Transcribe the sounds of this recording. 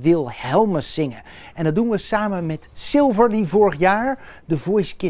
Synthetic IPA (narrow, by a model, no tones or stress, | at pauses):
ʋɪlˠhɛlˠməsɪŋə | ɛndɑt̚dunʋəsaːmənmɛtsɪlˠvəɹdivoːɹəχjaːɹdəvɔjskɪ